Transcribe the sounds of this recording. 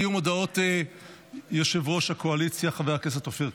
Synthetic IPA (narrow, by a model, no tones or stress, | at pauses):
jumodao̞t̪e | joʃevʁoʃhakoalit͡sjaχavejakes̬at̪ofiʁ